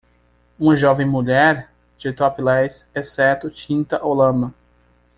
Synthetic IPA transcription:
ũmɐʒɔvẽj̃muʎɛɾ | d͡ʒɪt̪ɔpɪlɛjsɛsɛɾt̪ʊt͡ʃĩnt̪ɐʔowlɐ̃mɐ

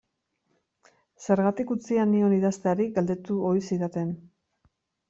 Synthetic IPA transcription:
se̞ɾɣat̪ikut͡sianio̞niðast̪eaɾiɡald̪e̞t̪uo̞jsiðat̪en

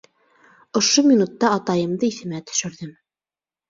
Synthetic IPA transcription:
ŏʃomʲinut̪ːɑːt̪ɑjɤ̆md̪ɤiθɘ̆mæt̪ɵ̥̆ʃɘ̆ɾðɘm

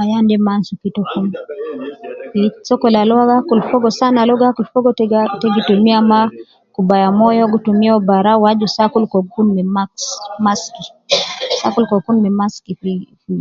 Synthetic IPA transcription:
ajandɛmansukitɔkum | isɔkɔlalɔaɡakulfɔɡɔsanalɔɡakulfɔɡɔttɛɡitumiama | kubajamɔjɔɡutumiɔbaɾawad͡ʒusakulkɔkunmɛmaksmaski | sakulkɔkunmɛmaskififi

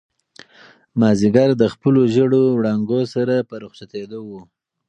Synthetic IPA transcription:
mɑziɡaɾd̪əxpəloʒəɽowɽɑŋɡosaɾapəɾʊxsat̪ed̪owu

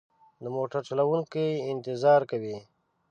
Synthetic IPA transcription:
d̪əmoʈəɾt͡ʃolawuŋkiɪnt̪ɪzɑːɾkawi

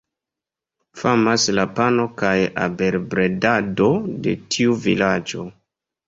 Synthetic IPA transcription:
famaslapano̞kaja̰be̞ɾbɾedado̞de̞̰tʰiuvḭlad͡ʒo̞

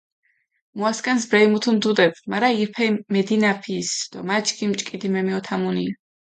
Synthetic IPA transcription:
muaskʼans̬bɾɛimut̪ʰund̪ud̪ɛbmaɾaiɾpʰɛmɛd̪inapʰisd̪̥ɔmat͡ʃɡimt͡ʃʼkʼid̪imɛmiɔt̪ʰamunia

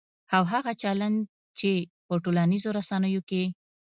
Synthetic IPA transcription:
awɦaɣat͡ʃaland̪̚ | t͡ʃepəʈolanizoɾasanəjoke

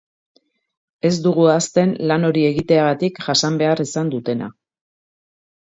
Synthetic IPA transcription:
e̞zd̪uɣ̞uast̪e̞nlano̞ɾie̞ɣit̪e̞aɣat̪ikʝasambe̞aɾisand̪ut̪e̞na̰

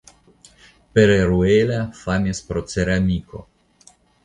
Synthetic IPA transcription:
peɾeɾuelafanʲaspɾoseɾamʲiko̰

